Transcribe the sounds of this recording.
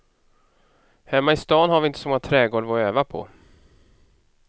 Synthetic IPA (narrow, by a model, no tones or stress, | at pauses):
hɛmːaɪst̪ɑːnhaɾvɪɪnt̪əsɔmɔŋːat̪ʰɾɛːɡɔlvɔøːvapʰɔ̰